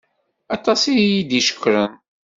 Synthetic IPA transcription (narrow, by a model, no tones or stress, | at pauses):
ɑt̪ˤɑsijijid̪iʃə̥kːɾən